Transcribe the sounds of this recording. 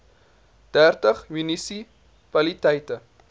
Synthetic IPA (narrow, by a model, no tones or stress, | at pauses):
d̥ærtəχjynisi | kwɐlitɛjtə